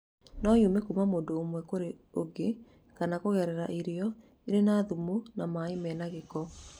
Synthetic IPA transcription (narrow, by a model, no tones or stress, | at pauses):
nɔjumekumamoːndoːmwɛkoɾeoɡe | kanakoɣɛɾɛɾaʔiɾiɔ | iɾenaːðumonamaemɛnaɣekɔ